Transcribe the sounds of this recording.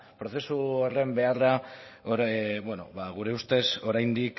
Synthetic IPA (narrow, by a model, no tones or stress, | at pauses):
pɾo̞θe̞suore̞mbe̞araobweno̞̰βaɣ̞uɾe̞ust̪e̞so̞ɾajnd̪ik